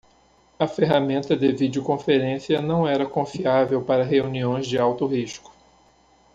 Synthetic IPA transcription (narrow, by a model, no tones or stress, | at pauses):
ɐfeɦamẽnt̪ɐd̪evid͡ʒiʊkõfeɾẽsiɐnɐ̃w̃ɛɾɐkõfiavewpaɾɐɦeuniõj̃zd͡ʒɪawt̪ʊɦiʃkʊ̥